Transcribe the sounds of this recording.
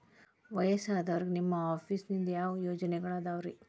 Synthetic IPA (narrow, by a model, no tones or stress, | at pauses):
ʋɐjɐsaːd̪ɐʋɐɾiɡenimːɐaːpʰiːsnind̪ɐjaːʋɐjoːd͡ʒɐnɛɡɐɭaːd̪aːʋɾi